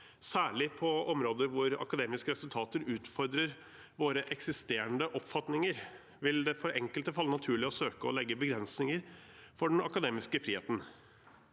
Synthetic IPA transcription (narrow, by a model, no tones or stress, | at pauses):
sæːɭɪpʰɔɔmɾoːd̪əɾʋʊɾɑ̰kɑd̪eːmɪskəɾɛsʉlt̪ʰɑːt̪əɾʉːt̪fɔɾd̪ɾəɾ | ʋoːɾəʔɛksɪst̪eːɾəɳd̪əʔɔpfɑt̪nɪŋəɾ | ʋɪld̪ɛfɔɾɛŋkəlt̪əfɑlːənɑt̪ʰʉːɭɪɔsøːkəɔlɛɡːəbəɡɾɛnsnɪŋəɾfɔɖɛnɑkɑd̪eːmɪskəfɾiːḛːt̪n̩